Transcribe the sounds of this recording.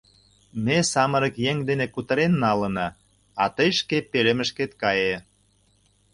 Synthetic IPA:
mesɑmə̆ɾə̆kjeŋd̪enekut̪ə̆ɾenːɑlə̆nɑ | ɑt̪əjʃkepelemə̆ʃket̪kɑje

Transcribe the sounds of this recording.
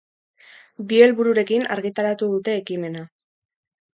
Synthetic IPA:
bie̞lβuɾuɾe̞kina̰ɾɣit̪aɾat̪uðut̪e̞ːkime̞na

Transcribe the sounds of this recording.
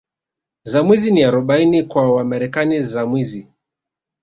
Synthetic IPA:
zamwiziniaɾɔɓainikwawamaɾɛkanizamwizi

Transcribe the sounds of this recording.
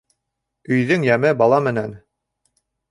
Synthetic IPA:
ɵ̆jðɵŋjæmɘbɑlˠɑmɘ̆næn

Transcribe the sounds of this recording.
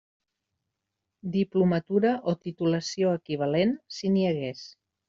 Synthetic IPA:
d̪iplumət̪uɾəʔot̪it̪uləsioəkiβ̞əlensiniəɣes

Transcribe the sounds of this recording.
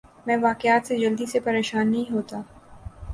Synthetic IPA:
mɛ̃ːʋaːkɪjaːt̪sed͡ʒɐld̪isepɐɾeːʃaːnːɐɦĩɦoːt̪aː

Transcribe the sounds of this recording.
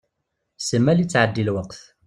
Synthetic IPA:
səmːælit͡sːʕəd̪ːilwəqθ

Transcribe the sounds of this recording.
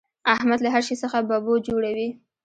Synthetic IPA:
ahmad̪laɦaɾʃisəxababod͡ʒoɽawi

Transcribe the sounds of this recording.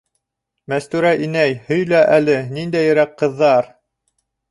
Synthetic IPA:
mæst̪ʉɾæʔinæjhɵ̆jlæʔælɘnind̪æjɘ̆ɾæqːɤ̆ðːɑɾ

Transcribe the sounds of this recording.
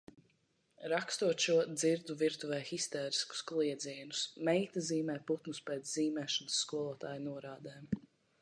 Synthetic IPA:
ɾakst̪uɔt̪ʃuɔd̪ziɾd̪uviɾt̪uvɛːxist̪ɛːɾisku̥sklˠiɛd̪ziɛnusmɛjt̪aziːmɛːput̪nuspɛːt̪sziːmɛːʃansːkuɔlˠuɔt̪aːjnuɔɾaːd̪ɛːm

